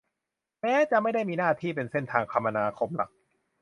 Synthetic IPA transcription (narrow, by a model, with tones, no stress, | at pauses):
mɛː˦˥t͡ɕa˨˩ʔma˥˩jda˥˩jmiː˧naː˥˩t̪ʰiː˥˩p̬e˧nse˥˩nt̪ʰaː˧ŋp̪ʰa˧mːʔa˧naː˧kʰo˧˥mla̰˨˩k̚